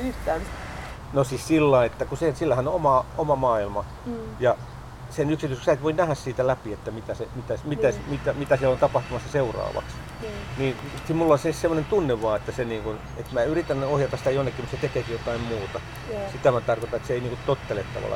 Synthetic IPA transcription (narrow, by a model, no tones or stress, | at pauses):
yht̪æːn | nosissilːɑiet̪ːækusesilːæhænoomɑomɑmɑːilmɑ | jɑ | senyksit̪ysksæit̪ʋoinæhæssiːt̪ælæpiet̪ːæmit̪æsemit̪æsmit̪æsmit̪æmit̪æsiælont̪ɑpɑht̪umɑsːɑseurɑ̰ːʋɑ̰ks | niːsimulːonsessemːŏnent̪unːeʋʋɑːet̪ːæseniːŋkun | et̪mæːyrit̪ːænːohjɑt̪ɑsi̥t̪æjonːekːimut̪set̪ekeːkijot̪ɑimmuːt̪ɑ | sit̪æmæt̪ɑrkot̪ɑet̪seeiniːŋkut̪ot̪ːelet̪ːɑ̰ʋɑ̰lːɑ̰